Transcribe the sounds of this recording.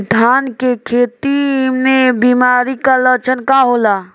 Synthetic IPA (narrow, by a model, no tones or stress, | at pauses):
d̪ʱaːnkekʰeːt̪imẽbimaɾikalət͡ʃənkaɦola